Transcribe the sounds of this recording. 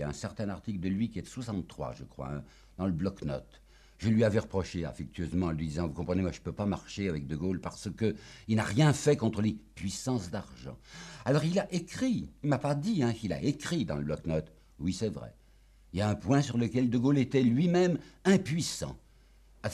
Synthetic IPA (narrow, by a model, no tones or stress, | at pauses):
aɛ̃sɛʁt̪ɛ̃aʁt̪ikld̪əlɥikʲiɛt̪ə̥swasɑ̃t̪ːχwa̰ʒəkχwa̰ɛ̰̃ | d̪̥ɑ̃ləblɔknɔ̰t̪ | ʒəlɥiavɛʁəpχɔʃea̰fɛk̚t̪ʰɥøzmɑ̃lɥid̪izɑ̃vukɔ̃pχənemwaʒəpøpamaʁʃeavɛk̚d̪əɡolpaʁsəkəilnaʁjɛ̃fɛkɔ̃t̪χəlepɥisɑ̃sd̪aʁʒɑ̰̃alɔʁilaʔekχiilmapad̪iɛ̃kila̰ʔekχid̪ɑ̰̃ləblɔknɔt̪ | wisɛvʁɛ̰ | iljaɛ̃pwɛ̃syʁləkʲɛld̪əɡolet̪ɛlɥimɛmɛ̃pɥisɑ̰̃ | a